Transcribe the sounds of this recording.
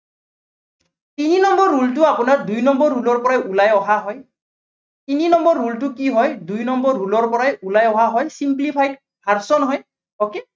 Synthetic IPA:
tininɔmbɔɹːultʊapʊnaɹdujnɔmbɔɹːulɔɹpɔɹajulajɔɦaɦɔj | tininɔmbɔɹːultʊkiɦɔjdujnɔmbɔɹːulɔɹpɔɹajulajɔɦaɦɔjsimplipʰajd̚ | pʰaɹsɔnɦɔj | ɔke

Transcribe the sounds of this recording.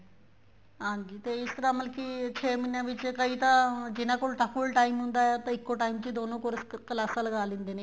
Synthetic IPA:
ãɲd͡ʑiːt̪eisk̪ɾaməlkit͡ɕʰeminjãʋit͡ɕekəɦit̪ad͡ʑinakoɭʈakuɭʈaimund̪ajat̪əikːoʈaimt͡ɕiːd̪onokoɾsklasalɡʱaːlind̪ena

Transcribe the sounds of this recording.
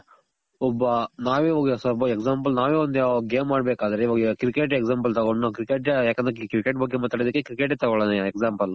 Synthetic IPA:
ɔbːɐnaːʋiʋɐɡɐsɐbɐeksaːmpɐlnaːʋeːʋond̪ujaːɡeːmːaːɖbeːkaːd̪ɐɾeiʋaːɡɐkɾikeʈeksaːmpɐlt̪ɐɡoɳːakɾikeʈ̬jaːkend̪ɾekɾikeʈ̚bɐɡemaːt̪aːɽed̪ɐkːekɾikeʈet̪ɐɡɔɭɐneeksaːmpɐl

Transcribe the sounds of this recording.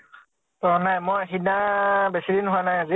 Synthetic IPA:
tɔnajmɔɦidabɛsilinhuanajazi

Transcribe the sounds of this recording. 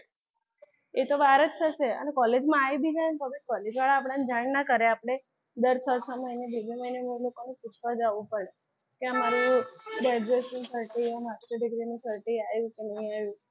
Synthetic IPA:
et̪oʋaɾət̪ʰːəʃeə̰nekɔled͡ʒmãajbid͡ʒant̪oabekɔled͡ʒʋaɭaːpɽ̃aned͡ʒaɳnakəɾeapɽ̃e | d̪əɾt͡ʃʰəsʰəməinebebʱeməjnemelokonẽkut͡ʃʰʋad͡ʒaʋũpəɭe | keəmaɾuɖaɖɾesũsəɾʈiemasʈəɖɪɡɾinũsəɾʈiajũkenəɦĩaʋjũ

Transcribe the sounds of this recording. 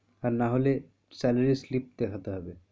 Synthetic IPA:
aɾnaɦole | sɛlaɾislip̚d̪ɛkʰat̪eɦɔbe

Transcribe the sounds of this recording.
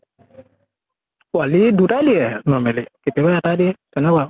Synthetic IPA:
walidutaliɛnɔmɛlikepɛbaatadiɛkɛnawa

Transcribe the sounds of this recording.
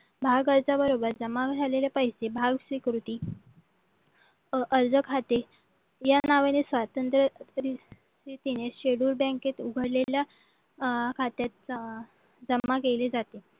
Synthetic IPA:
bʱaɡəɾd͡zabəɾobəɾd͡zəmaɡd͡zaleljapəjsebʱaɡsʋikɾut̪iː | ʔəɾd͡zəkʰat̪e | janaʋanesʋat̪ənt̪ɾəɾi | sit̪ineɕeɽuːɾbɛ̃ŋket̪uɡʱəɽlelja | kʰat̪jat̪̚ | d͡zəmːakeled͡zat̪e

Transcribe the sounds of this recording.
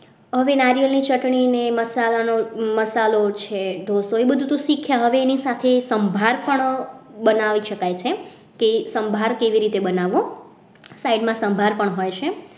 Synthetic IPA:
ɦəʋenaɾijəlnit͡ʃəʈɳineməsalanoməsalot͡ʃʰeɖʱosoebəd̪ʱut̪ũʃikʰːjaɦəʋeːnisat̪ʰesəmbʱaɾpəɳbənaʋiʃəkajt͡ʃʰe | kesəmbʱaɾkeʋiɾit̪ebənaʋõ | saiɖmãsəmbʱaɾpəɳɦojt͡ʃʰe

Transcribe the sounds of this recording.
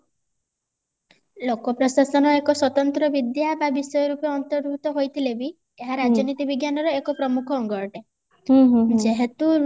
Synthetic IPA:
lokɔpɾɔsasɔnɔekɔswɔt̪ɔnt̪ɾɔbid̪jababisɔjɔɾupeɔnt̪ɔɾbʱut̪ɔɦojt̪ʰilebi | eɦaɾad͡ʒɔnit̪ibiɡjanɔɾɔekɔpɾɔmukʰɔːŋɡɔɾɔʈe | d͡ʒeɦet̪u

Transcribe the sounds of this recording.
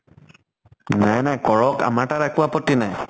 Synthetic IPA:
najnajkɔɹɔka̰maʈaɾakuwapɔtinaj

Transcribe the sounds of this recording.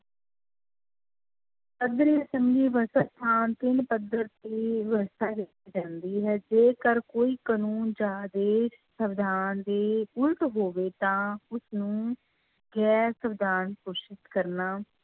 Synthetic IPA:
pəd̪ɾiːəsəmɡiːʋəɾsaːst̪ʰaːnt̪ɪnpəd̪əɾt̪eːʋəɾsaːkɪt̪ːiːd͡ʒãːnd̪iːɦɛːd͡ʒeːkəɾkoːiːkənuːnd͡ʒaːd̪eːʃsəbd̪ʱaːnd̪eːʊlʈɦoːʋeːt̪ãːʊsnũː | ɡɛːɾsəbd̪ʱaːnkoːʃɪt̪kəɾnaː

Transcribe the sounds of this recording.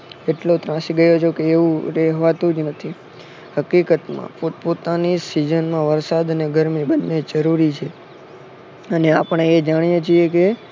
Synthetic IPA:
eʈlot̪ɾãsiɡəjot͡ʃʰokeːʋũɾeɦʋat̪ũd͡ʒnət̪ʰi | həkikət̪mã̰popot̪anisid͡ʒənmãʋəɾsad̪əneɡʱəɾmibənːed͡ʒəɾuɾit͡ʃʰe | əneapəɳ̃eed͡ʒaɽ̃ijet͡ʃʰieke

